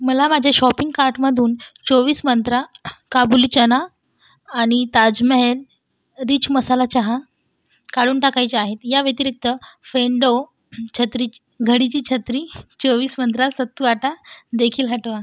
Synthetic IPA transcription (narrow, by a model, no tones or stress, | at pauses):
məlamad͡ʑʱaɕɔpiŋɡkaɾʈməd̪ʱuːnt͡soʋiːsmənt̪ɾakabulit͡ɕənaː | ɽ̃it̪ad͡zməɦel | ɾiːt͡ɕməsalat͡ɕaɦa | kaɭuːnʈakajt͡ɕeaɦet̪jaʋet̪iɾek̚t̪əfeɳɖo | t͡ɕʰət̪ɾit͡ɕi̥ | ɡʱəɽit͡ɕiːt͡ɕʰət̪ɾiːt͡soʋiːsmənt̪ɾasət̪ːuʋaʈad̪ekʰiːlɦaʈʋa